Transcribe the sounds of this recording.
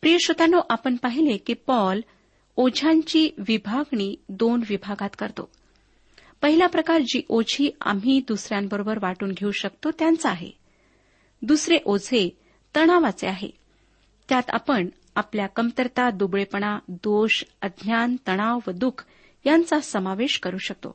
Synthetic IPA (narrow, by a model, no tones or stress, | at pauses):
pɾijəɕot̪anoʔapəɳpaɦilekiːpɔl | od͡ʑʱaɲt͡ɕiːʋibʱaɡɳiːd̪onʋibʱaɡat̪kəɾt̪o̰ | pəɦiljapɾəkaɾd͡ʑiːʔod͡ʑʱiːa̰m̤iːd̪usɾjambəɾobəɾʋaʈuːnɡʱeuɕəkt̪ot̪jant͡səaɦḛ | d̪usɾeʔod͡zʱe | t̪əɽ̃aʋat͡seaɦḛ | t̪jat̪a̰pəɳ | apljakəmt̪əɾt̪ad̪ubɭepəɳ̃ad̪oɕəd̪ʱnjant̪əɽ̃aʋʋəd̪ukʰ | jant͡sasəmaʋeɕkəɾuːɕək̚t̪o̰